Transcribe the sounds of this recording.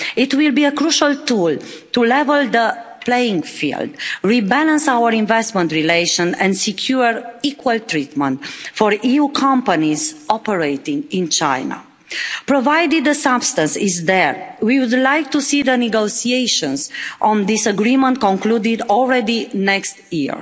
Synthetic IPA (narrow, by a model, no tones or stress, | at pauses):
it̪wilbiəkɾuʃalt̪ult̪ulɛvəld̪ə | plejĩŋɡfḭld̪ɹibɛlə̃nsawəɾĩnvɛstmə̃nt̪ɹileɪʃə̃nɛ̰̃ndsikʰjuɹikwəlt̪ɹit̪mə̃nt̪fɔɹiukʰãmpanizɔpəɹejt̪ĩŋĩnt͡ʃa̰jna̰ | pɾovajd̪id̪əsabst̪ə̃nsizd̪ɛɹwiwud̪lajk̚t̪usid̪əniɡosieʃə̃nzʔɔ̃nd̪isəɡɾimə̃nt̪̚kɔ̃ŋklud̪id̪ɔlˠɹɛd̪inɛkst̪jḭɹ